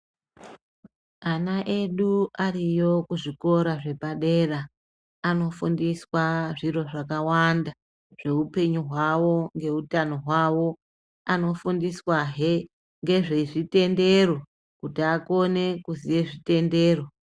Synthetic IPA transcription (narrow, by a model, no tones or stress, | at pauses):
anaʔe̞ɗuarijo̞kuʐiko̞ɾaʐe̞paɗe̞raː | no̞fundiswaʐiro̞ʐakawanda | ʐ̥e̞upe̞ɲuɦwawo̞ŋɡe̞utano̞ɦwawo̞ | ano̞fundiswaɦe | ŋɡe̞ʐeʐite̞nde̞ro̞ | kutiako̞ne̞kuzije̞ʐite̞nde̞ːro